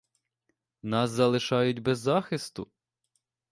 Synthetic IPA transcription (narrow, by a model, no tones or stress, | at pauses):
nɑszɐlˠɪʃɑjʊtʲbɛzːɑxɪst̪ʊ̰